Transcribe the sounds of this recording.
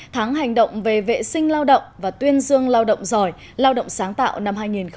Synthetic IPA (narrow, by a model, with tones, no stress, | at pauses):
t̪ʰa˨˦ŋɦa˨˩jŋ̟ɗə̰˧˨wŋ͡mve˨˩vḛ˧˨sï˧ŋ̟laː˧wɗə̰˧˨wŋ͡mvaː˨˩t̪wi˧ənzɨ˧əŋlaː˧wɗə̰˧˨wŋ͡mzɔ˨˩j | laː˧wɗə̰˧˨wŋ͡msaː˨˦ŋt̪a̰ː˧˨wna˧mɦaː˧jŋi˨˩nx